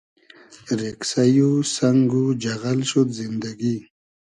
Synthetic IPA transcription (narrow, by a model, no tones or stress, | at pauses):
ɾeksajusaŋɡud͡ʒaɣalʃut̪zind̪aɡi